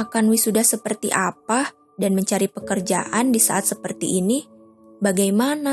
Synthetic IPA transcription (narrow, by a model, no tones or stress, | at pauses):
akanwisudahsəpərt̪ḭʔapa | danməɲt͡ʃaɾipəkərd͡ʒa̰ʔandisa̰ʔat̪̚səpərt̪ḭʔːni | baɡajmana